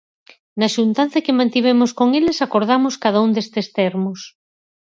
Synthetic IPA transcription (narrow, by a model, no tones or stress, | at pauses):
naʃunt̪an̟θɐkemãnt̪iβ̞emoskoŋelesakoɾð̞amoskaðaund̪est̪est̪eɾmos